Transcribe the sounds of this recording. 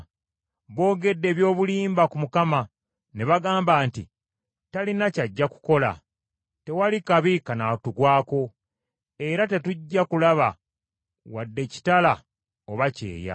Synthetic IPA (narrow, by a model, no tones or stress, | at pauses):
βo̞ːɡe̞dːe̞ːβjo̞ːβuliːmbakumukama | neβaɡaːmbaːntḭ | talinacaɟːaku̥ko̞la̰ | te̞walikaβikanatuɡwaːko̞ | e̞ɾate̞tuɟːakulaβa | wadːe̞ci̥tala | oβace̞̰ːja̰